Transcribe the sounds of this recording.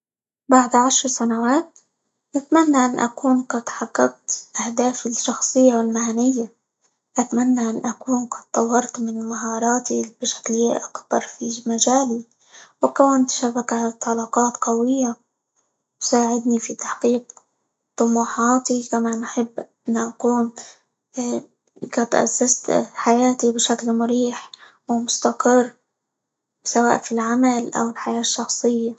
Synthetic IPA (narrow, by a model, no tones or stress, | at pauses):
baʕd̪ʕaʃɾˤsanawaːt̪̚ | ʔɪt̪manːaʔanːʔa̰kuːnqɑd̪ħɑɡːɑɡ̚t̪ʔahd̪aːfɪʃːɑxsˤɨjːawɪlmaʕanɪjːa | ʔat̪manːaʔanːʔakuːnqɑd̪̚t̪ˤːɑwːɑɾˤt̪mɪnmaɦɑːɾˤɑːt̪ib̥ɪʃḁkliːʔakbɑɾˤfimad͡ʒaːli | wɪkawant̪ʃabakat̪ˤɑlɑqɑːt̪qawɪjːa | saːʕɪd̪nifit̪ḁħqiːq̚ | t̪ˤʊmuːħɑːt̪ikamaːnʔaħɪbː | ɪnːaʔakuːn | ɪkat̪ʔa̰sːast̪ħajaːt̪ibɪʃaklmʊɾiːħ | wɪmʊst̪aqɪrː | sawa̰ːʔfilʕamalʔa̰wɪlħajaːʃːɑxsˤɨjːa